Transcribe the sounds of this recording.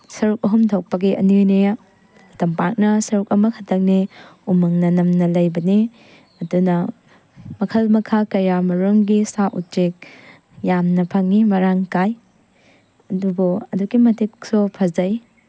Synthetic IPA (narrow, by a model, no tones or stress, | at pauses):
sɐɾuk̚ɐɦumtʰok̚pɐɡiʔɐ̰nɯjne | ɐtɐmpak̚nɐsɐɾukɐmɐkʰɐtʰɐk̚niumɐŋnɐnɐmnɐlɐjbɐni | ɐdunɐ | mɐkʰɐlmɐkʰakɐjamɐɾoŋɡisaʔut͡ʃek̚ | jamnɐpʰɐŋːimɐɾaŋkaj | ɐduboɐduɡimɐtʰiksupʰɐzɐj